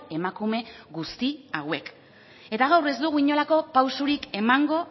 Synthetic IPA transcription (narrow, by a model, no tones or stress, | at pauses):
e̞makume̞ɣust̪iawe̞k | e̞t̪aɣ̞awre̞zd̪uɣ̞uiɲo̞lako̞pawsuɾike̞maŋɡo̞